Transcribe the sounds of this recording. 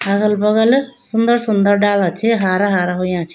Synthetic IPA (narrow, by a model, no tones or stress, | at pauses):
ɐɣɐlpɔɣɐl | sund̪ɐɾsund̪ɐɾɖaːlɐt͡ʃʰːiɦaːɾɐɦaːɾɐɦujãːt͡ʃːi̥